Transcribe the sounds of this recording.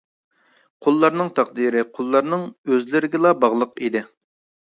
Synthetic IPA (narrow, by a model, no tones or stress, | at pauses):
qʰʊlˠːɑɾnɨŋt̪ʰɑqd̪iɾɪqʰolˠːɑɾnɨŋøzlɪɾɪɡʲɪlˠɑbɑʁlˠəqid̪ɪ